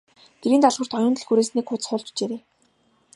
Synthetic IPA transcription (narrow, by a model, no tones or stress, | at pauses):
ɡ̪̥eɾiːnt̪aɮʁə̆r̥t̪ɔjʊːnt̪ɘ̆ɮxuɾeːsniːkχʊt͡sχʊːɮt͡ɕt͡ɕeːɾeː